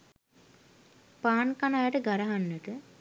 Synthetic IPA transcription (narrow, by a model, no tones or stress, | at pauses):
paːnkanajaʈəɡaɾaɦanːəʈə